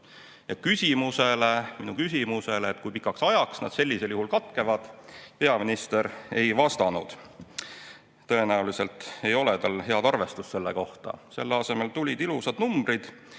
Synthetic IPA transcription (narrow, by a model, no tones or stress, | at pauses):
jɑkysʲimuse̞le̞minukysʲimuse̞leːt̪ːˑkujpikːɑksɑjɑksnɑ̰d̪̥se̞lʲːise̞ljuɦulkɑt̪ˑke̞vɑd̪̥pe̞ɑminist̪e̞ɾe̞jvɑst̪ɑnud̪̥ | t̪ɤ̞e̞næulise̞lt̪e̞jo̞let̪ɑlɦe̞ɑd̪ɑrve̞st̪usse̞lːeko̞ht̪ɑ̰se̞lːeɑse̞me̞lt̪ulʲid̪ilusɑd̪̥numbɾid̪̥